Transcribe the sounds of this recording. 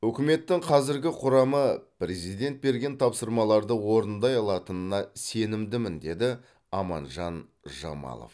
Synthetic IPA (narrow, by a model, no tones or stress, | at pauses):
wɵkʲɪme̞t̪ːɪŋqʰɑzɪɾɡʲɪqʰʊɾɑməpre̞zijd̪e̞nt̪̚be̞ɾɡʲe̞nt̪ʰɑpsəɾmɑlˠɑɾd̪əwo̞ɾənd̪ɑjɑlˠɑt̪ənənɑse̞nɪmd̪ɪmɪnd̪e̞d̪ɪ | ɑmɑ̰nʒɑn | ʒɑ̰mɑ̰lˠo̰f